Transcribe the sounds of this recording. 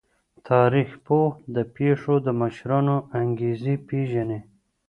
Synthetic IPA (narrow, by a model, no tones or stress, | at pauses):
t̪ʰɑɾixpohd̪əpeʂod̪əməʃɾɑnoaŋɡezipeʒane